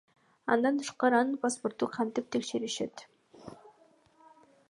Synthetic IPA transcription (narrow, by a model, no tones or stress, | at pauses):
ɑ̰nd̪ɑnt̪ʰɯ̥ʃqɑɾɯɑnɯnpʰasport̪uqʰɑnt̪ip̚t̪ʰe̞kʃeɾiʃe̞t̪